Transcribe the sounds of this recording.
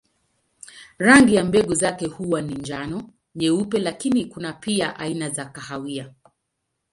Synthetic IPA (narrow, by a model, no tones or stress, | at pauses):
ɾaŋɡijambɛɠuzakɛhuwaniɲd͡ʒanɔ | ɲɛupɛlakinikunapiaʔainazakahawia